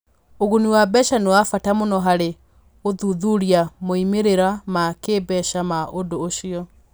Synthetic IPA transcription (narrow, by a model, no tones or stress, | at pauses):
oɣuniwabɛʃanewafatamonɔɦaɾe | oðuðuɾiamoimeɾeɾamakeːbɛʃamaʔondoːʃiɔ